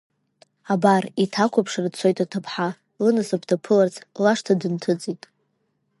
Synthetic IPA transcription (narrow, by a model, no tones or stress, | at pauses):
abaritʰakʷʰapʰʂrt͡sʰo̞jtʼatʰɨpʰħa | lɨnɨsɨpʰtʰapʰɨlart͡sʰlaʂtʰadɨntʰɨt͡sʼitʼ